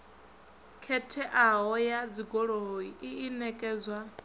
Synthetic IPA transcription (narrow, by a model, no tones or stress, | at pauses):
kʰɛtʰɛʔaɦɔjad͡ziɡɔɺoiʔiːnɛkʼɛːd͡zwa